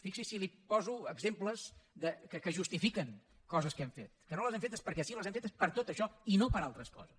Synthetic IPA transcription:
fiksisilipɔzuəɡzempləzðəkəkəʒust̪ifikəŋ | kɔzəskɛmfet̪̚kənoləzɛmfet̪əspəɾkɛsiləzɛmfet̪əspəɾt̪ot̪əʃɔinopəɾalˠt̪ɾəskɔ̰zəs

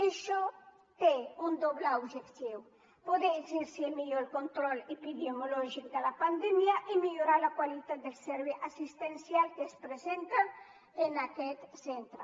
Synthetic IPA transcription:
eʃɔ | t̪eund̪oβleubʒekt̪iw | poðeziɾsiemiʎolkont̪ɾɔlepidemolɔʒik̚d̪əlapand̪ɛmjaʔimiʎuɾalakwalit̪at̪̚d̪elsɛɾβeʔasist̪ensjalkespɾezent̪a | enakɛt̪sent̪ɾə

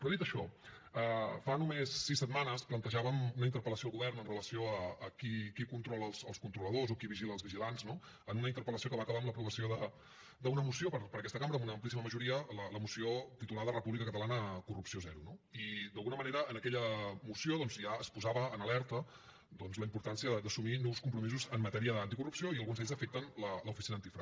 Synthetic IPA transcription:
pɾɔðit̪əʃɔəfanumesːisːəd̪manəsplənt̪əʒaβəmunəint̪əɾpələsioːlˠɣuβɛrnənrələsioəːkikikunt̪ɾɔlˠəlˠsəlˠskunt̪ɾuləðozokiβiʒiləːlzβiʒilanzno | ənunəint̪əɾpələsiokəβaːkəβaəmləpɾuβəsioðə | d̪əunəmusiopəɾpəɾəkɛst̪əkamɾəːmunəːmplisiməməʒuɾiələləmusiot̪it̪ulaðrəpuβlikəkət̪əlanəkurupsiozɛɾunoid̪əlˠɣunəməneɾəənəkɛʎəmusioðɔnzjaəspuzaβəːnəlɛɾt̪ə | d̪ɔnzləimpuɾt̪ansiəðəd̪əsuminɔwskumpɾumizuzəmːət̪ɛɾiəðant̪ikurupsioiəlˠɣunzɛʎʲzəfek̚t̪ənlələufisinəːnt̪ifɾa

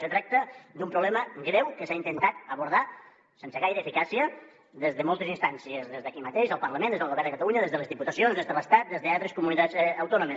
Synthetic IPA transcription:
set̪ɾak̚t̪əd̪umpɾuβlɛməɡɾewkəsaint̪ənt̪at̪əβuɾða | sensəɣajɾəeːfikasiə | ðezðəmɔlˠt̪ezinst̪ansiəezðezðəkimət̪eʃəlˠpəɾləmẽnd̪ezðəlˠɣuβɛɾðdəkət̪aluɲəðezðəlezðiput̪əsionðezðələst̪at̪̚d̪ezðəalˠt̪ɾeskumunit̪azəwt̪ɔnumes

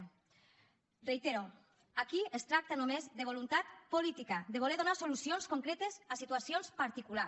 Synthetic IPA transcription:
rejt̪eɾo | akiest̪ɾak̚t̪anomezðeβ̞olunt̪at̪polit̪ikad̪eβ̞oleɾðonasolusionskoŋkɾet̪ezasit̪uasionspaɾt̪ikula

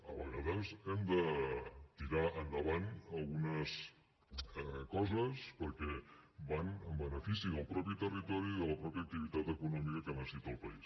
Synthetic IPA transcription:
əβəɣəðəzɛmd̪ət̪iɾaːnd̪əβ̞anəlˠɣunəs | kɔzəspəɾkɛbanəmbənəfisiðəlˠpɾɔpit̪ərit̪ɔɾiðələpɾɔpjək̚t̪iβ̞it̪at̪əkunɔmikəkənəsit̪oəlˠpais

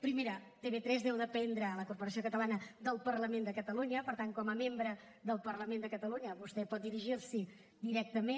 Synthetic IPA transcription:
pɾimeɾət̪eβet̪ɾɛzðɛwðəpɛnd̪ɾəːləkuɾpuɾəsiokət̪əlanəd̪əlˠpəɾləmend̪əkət̪əluɲəpəɾt̪aŋkɔməmembɾə | ðəlˠpəɾləmẽnd̪əkət̪əluɲəβust̪ɛpɔt̪̚d̪iɾiʒirsi | d̪iɾɛk̚t̪əme

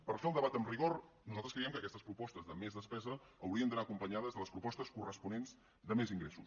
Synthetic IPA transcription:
pəɾfeəlˠd̪əβat̪əmriɣor | nuzalˠt̪ɾəskɾeiɛmkəkɛst̪əspɾupɔst̪əzðəmezðəspɛzəː | wɾiənd̪ənaəkumpəɲaðəzðələspɾupɔst̪əskurəspunenz | ðəmeziŋɡɾesus

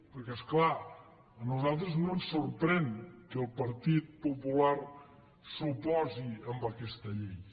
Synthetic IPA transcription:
pəɾkɛskla | ənuzalˠt̪ɾəznonsːuɾpɾɛŋkəlˠpəɾt̪it̪̚pupulaɾ | supɔziəmbəkɛst̪əʎej

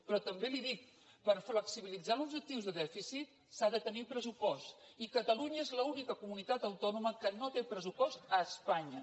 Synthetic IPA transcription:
pɾɔt̪əmbeliðik̚ | pəɾfləksiβilid͡zalˠubʒək̚t̪iwzðəðɛfisit̪̚ | saðət̪ənipɾəsupɔst̪ikət̪əluɲəezləunikəkumunit̪at̪əwt̪ɔnuməkənot̪epɾəsupɔst̪əːspaɲə

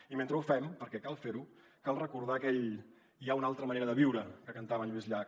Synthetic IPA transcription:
iment̪ɾəufɛmpəɾkɛkalˠfeɾu | kalˠrəkuɾð̞akɛʎ | iaunalˠt̪ɾəməneɾəðəβiwɾəkəkənt̪aβənʎizʎa

